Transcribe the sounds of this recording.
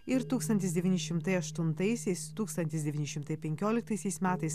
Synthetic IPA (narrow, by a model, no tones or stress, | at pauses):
ɪɾt̪uːkst̪ɐnʲt̪ʲɪsd̪ʲɛʋʲiːnʲɪʃʲɪmt̪ɐɪɐʃt̪ʊnt̪ɐɪsʲɛɪst̪uːkst̪ɐnʲt̪ʲɪsd̪ʲɛʋʲiːnʲɪʃʲɪmt̪ɐɪpʲɛŋʲkʲoːlʲɪkt̪ɐɪsʲɛɪsmʲæːt̪ɐɪs